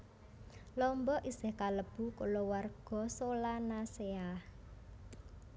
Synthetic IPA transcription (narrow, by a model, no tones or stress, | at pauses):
lɔmbɔʔisɪhkaləb̥ṳkolowarɡ̥ɔ̤solanaseah